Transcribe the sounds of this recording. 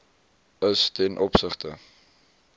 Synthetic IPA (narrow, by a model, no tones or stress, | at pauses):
əstɛnʔɔpsəχtə